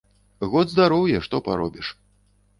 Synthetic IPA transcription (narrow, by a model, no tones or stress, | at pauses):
ɣɔd̪zd̪aɾɔwjɛʂt̪ɔpa̰ɾɔ̰bʲiʂ